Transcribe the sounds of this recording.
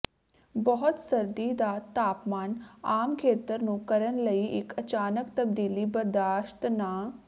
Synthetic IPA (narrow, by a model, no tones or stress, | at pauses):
bɔɦʊt̪səɾd̪iːd̪aːt̪aːpmaːnaːmkʰeːt̪əɾnũːkəɾənləiːʔɪkət͡ʃaːnəkt̪əb̚d̪iːliːbəɾd̪aːʃt̪naː